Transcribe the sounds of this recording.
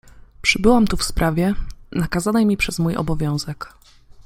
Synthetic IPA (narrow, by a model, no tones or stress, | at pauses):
pʂɘbɘwamt̪ufspɾʔavʲjɛnakazanɛjmʲipʂɛzmujɔ̰bɔvʲjɔ̃w̃zɛk